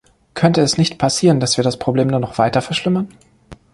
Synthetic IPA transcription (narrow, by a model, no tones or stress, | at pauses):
kʰœntəɛsnɪçtpʰasiːʁəndasv̥iːɐdaspʁ̥obleːmnuːɐnɔχv̥aɪtɐfɛɐʃlɪmɐn